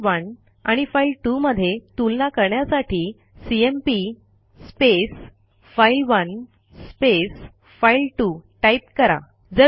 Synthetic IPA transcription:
ʋən | a̰ɽ̃ifailʈuməd̪ʱːjet̪ulnakəɾɳjasaʈiː | siempi | spes | failʋən | spes | failʈuʈaip̚kəɾa̰ | d͡zə

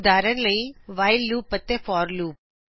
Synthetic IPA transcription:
d̪aːɾənləiʋaːɪllːuːpːət̪ːefɔːɾluːp̚

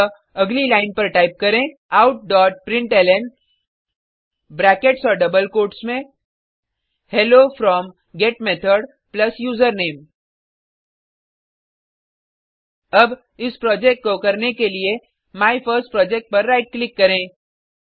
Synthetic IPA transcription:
ɐɡlilaːɪnpɐɾʈaːɪp̚kɐɾẽ | aʊʈ̚ɖɔːʈ̚pɾɪ̃ɳʈɛlɛm | bɾɛːkeʈsɔːɾɖɐbəlkoːʈsmẽ | helofɾɔːm | ɡeːʈmet̪ʰəɾɖ | plɐsjuːzəɾneːm | ɐb | ɪspɾɔːd͡ʒek̚ʈ̚kokɐɾnekelie | maːifʰəɾsʈ̚pɾɔːd͡ʒek̚ʈ̚pɐɾːaːɪʈ̚klɪkːɐɾẽː

